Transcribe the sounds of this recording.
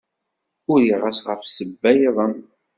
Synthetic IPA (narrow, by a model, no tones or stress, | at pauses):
ʊɾjiʁəsʁəfsəbːæjðˤəm